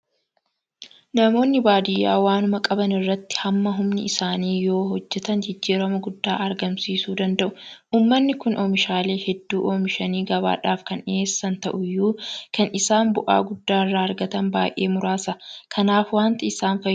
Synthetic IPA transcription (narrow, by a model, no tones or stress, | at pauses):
nɐmo̞ːnːɪbaːd̪ɪjːa̰ːwaːnʊmɐkʼɐbɐnɪrːɐt̪ːɪ̥hɐmːɐɦʊmnɪɪsaːniːjo̞ːɦɔd͡ʒːɛt̪ɐnd͡ʒɪd͡ʒːiːɾɐmɐɡʊd̪ːa̰ːʔɐɾɡɐmsiːsuːd̪ɐnd̪ɐʔʊ̥ʔuːmːɐnːɪkʊnʔoːmɪʃaːle̞ːhɛd̪ːuːʔoːmɪʃɐniːɡɐβa̰ːᶑaːfkɐneːsːɐnt̪ɐʔʊjːuːkɐnɪsaːnbʊʔa̰ːɡʊd̪ːaːrːaːɐɾɡɐt̪ɐnba̰ːjʔe̞̰ːmʊɾaːsɐkʰɐnaːfwaːnt̪ɐɪsaːnfɐ